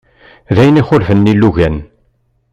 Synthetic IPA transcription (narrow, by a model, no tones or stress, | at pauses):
ðæjəniχʊlfənːilːuʝæn